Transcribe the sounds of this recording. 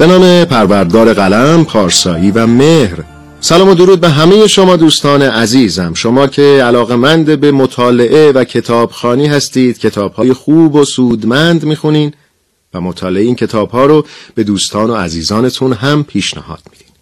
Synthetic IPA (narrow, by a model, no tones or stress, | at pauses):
b̥e̞nɒːme̞pʰæɾvæɾd̪̚ɡɒːɾe̞ɣælæmpʰɒːɾsɒːiːvæme̞hɾ | sælɒːmo̞d̪oɾuːd̪̚be̞ɦæme̞jeʃo̞mɒːd̪uːst̪ɒːne̞ʔæziːzæmʃo̞mɒːcʰe̞ælɒːɣe̞mænd̪ebe̞mot̪ʰɒːle̞ʔe̞væcʰe̞t̪ʰɒːb̥xɒːniːɦæst̪iːd̪̥cʰe̞t̪ʰɒːb̥hɒːjexuːbosuːd̪mænd̪miːxuniːn | væmot̪ʰɒːleeiːncʰe̞t̪ʰɒːb̥hɒːɾob̥e̞d̪uːst̪ʰɒːno̞æ̰ziːzɒːne̞t̪ʰunɦæmpʰiːʃnæ̰hɒ̰ːd̪̥miːd̪̥iːn